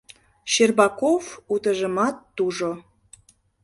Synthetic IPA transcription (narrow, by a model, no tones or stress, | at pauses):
ɕerbɑkofut̪əʒəmɑt̪ːuʒo